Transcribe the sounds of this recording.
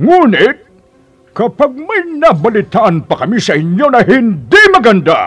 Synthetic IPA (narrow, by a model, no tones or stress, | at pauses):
ŋuːnɪt̪̚ | kɐpaɡ̚mɐjnɐbɐlɪt̪aʔɐnpɐkɐmisɐʔɪɲjonɐɦɪnd̪imɐɡɐnd̪a